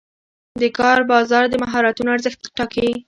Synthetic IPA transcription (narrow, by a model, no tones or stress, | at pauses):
d̪əkɑɾbɑzɑɾd̪əmaɦɑɾat̪unoaɾzəxt̪̚ʈɑke